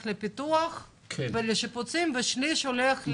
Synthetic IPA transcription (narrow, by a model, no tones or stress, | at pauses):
xlɛpit̪uaxʰ | vɛlɛʃəput͡simvɛʃliʃulɛx